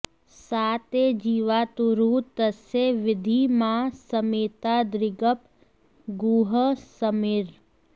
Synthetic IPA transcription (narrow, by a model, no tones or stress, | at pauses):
saːt̪ed͡ʒiːʋaːt̪uɾuːt̪əseʋɪd̪ʱimãsəmeːt̪ad̪ɾɪɡəp | ɡuːɦəsəmɪɾ